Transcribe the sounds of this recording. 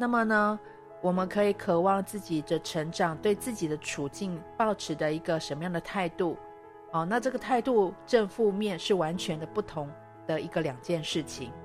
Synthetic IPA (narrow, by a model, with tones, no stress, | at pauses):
na˥˩mə˨nə˩ | wɔ˨˩mə˦nkʰɤ˧˥i˨˩kʰɤ˨˩wɑ˥˧ŋt͡sɹ̩˥˩t͡ɕi˨˩d̪ə˦ʈ͡ʂʰə˧˥ŋʈ͡ʂɑ˨˩ŋt̪we˥˧ɪt͡sɹ̩˥˩t͡ɕi˨˩d̪ə˦ʈ͡ʂʰu˨˩t͡ɕi˥˧ŋpɑ˥˩ʊʈ͡ʂʰɻ̩˧˥d̪ə˧i˧˥ɡə˧ʂə˧˥nmə˧jɑ˥˩ŋd̪ə˩t̪ʰa˥˧ɪt̪u˥˩ | ɔ˥˩na˥˧ʈ͡ʂɤ˥˩ɡə˩t̪ʰa˥˧ɪt̪u˥˧ʈ͡ʂə˥˧ŋfu˥˧mjɛ˥˧nʂɻ̩˥˩wa˧˥nt͡ɕʰɥɛ˧˥nd̪ə˧pu˥˩t̪ʰʊ˧˥˦ŋ | d̪̥ə˨i˧˥ɡə˧ljɑ˨˩ŋt͡ɕjɛ˥˧nʂɻ̩˥˩t͡ɕʰi˨˩˦ŋ